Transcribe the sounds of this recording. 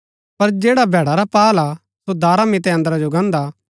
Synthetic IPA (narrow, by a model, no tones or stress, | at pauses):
pɐɾd͡ʒeːɽabʱɛːɽaɾapaːla | sod̪aːɾamɪt̪ɛɐ̃nd̪əɾad͡ʒoɡɐ̃nd̪a